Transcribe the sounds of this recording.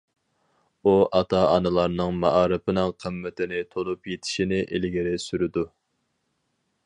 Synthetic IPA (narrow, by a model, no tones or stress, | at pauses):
uʔɑt̪ʰɑɑnɨlˠɑɾnɨŋmɑʔɑːɾɨpʰɪnɨŋqʰəmːɪt̪ʰɪnɪt̪ʰolˠupjet̪ʰɪ̥ʃinɪʔɪlɡʲɪɾɪsyɾɪd̪u